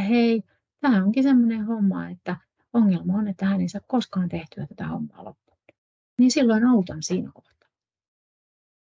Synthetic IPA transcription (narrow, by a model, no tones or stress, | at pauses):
hei | t̪æhæoŋkisemːonehomːɑ̰ḛt̪ːæ | oŋːelmɑonet̪ːæhæneisɑkkoskɑːnt̪e̞ht̪yæt̪æt̪æho̰mːɑ̰ːlo̰pːu̥ | niːnsilːoinolut̪ɑnsiːnæko̞ht̪ɑ̥